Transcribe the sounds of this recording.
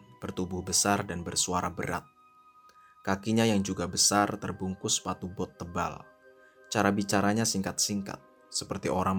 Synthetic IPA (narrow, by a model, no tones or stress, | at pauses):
b̥ərt̪ubʊhbəsardanbərsuaɾabə̰ɾa̰t̪̚ | kakiɲajaŋd͡ʒuɡabəsart̪ərbuŋkʊspat̪ubɔt̪ːəba̰l | t͡ʃaɾabit͡ʃaɾaɲasiŋkat̪̚siŋka̰t̪̚ | səpərt̪iʔoɾaŋm